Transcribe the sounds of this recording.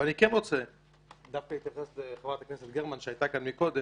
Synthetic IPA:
vanikɛnʁot͡sɛ | d̪afkait̪jafχasleχavʁat̪aknɛsɛt̪̚ɡeʁmanʃɛajt̪akanmikod̪ɛ

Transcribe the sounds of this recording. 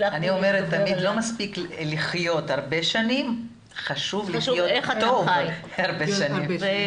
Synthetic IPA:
aniomeʁet̪ːamid̪lo̞maspikliχjo̞t̪haʁbe̞ʃanim | χaʃuvliχjot̪ov | haʁbeʃanim

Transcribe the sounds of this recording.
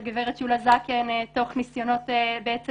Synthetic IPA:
ɡeveʁetʃulazakeneto̞χnisjo̞no̞tebeet͡se

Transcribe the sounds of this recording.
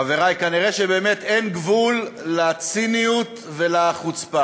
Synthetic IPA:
aveʁajkaniʁe̞ʃebe̞ːmet̪enɡvulːat͡sinijut̪ | velaχut͡spa

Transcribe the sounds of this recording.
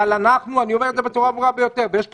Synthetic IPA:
alanaχnuanio̞med̪zebe̞t͡suʁaːvuʁabe̞jo̞t̪e̞ʁvejeʃ

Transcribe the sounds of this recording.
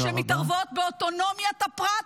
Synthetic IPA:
ʃemit̪aʁvo̞t̪̚beot̪o̞no̞mjat̪apʁa

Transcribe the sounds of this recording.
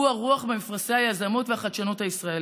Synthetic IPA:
uaʁuaχmemifʁasehajazamot̪veaχad̪ʃanothaisʁae

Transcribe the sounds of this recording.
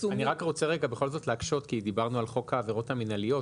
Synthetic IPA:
aniʁakʁo̞t͡seʁeɡabe̞χo̞lzo̞tleakʃo̞tkid̪ibaʁnualχo̞khaːveʁo̞thaminalijo̞

